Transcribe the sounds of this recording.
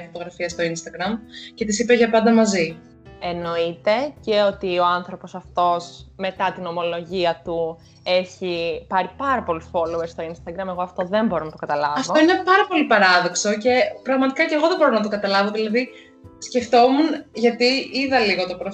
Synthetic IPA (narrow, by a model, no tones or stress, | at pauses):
fot̪o̞ɣɾɐfiɐst̪o̞inst̪ɐɡɾɐmce̞t̪isipeʝɐpɐnd̪ɐmɐzi | e̞no̞it̪e̞ce̞o̞t̪io̞anθɾo̞po̞sɐft̪o̞sme̞t̪ɐt̪ino̞mo̞lo̞ʝiɐt̪u | e̞çipɐɾipɐɾɐpo̞lusfo̞lueɾst̪o̞inst̪ɐɡɾɐme̞ɣo̞ɐft̪o̞ðe̞mbo̞ɾonɐt̪okɐt̪ɐlɐvɐftooinenepɐɾɐpo̞lipɐɾɐðo̞ksoce̞pɾɐɣmɐt̪ikɐceɣoðebo̞ɾonɐt̪̬okɐt̪ɐlɐvoðilɐði | sce̞ft̪o̞munʝɐt̪iiðɐliɣo̞t̪opɾo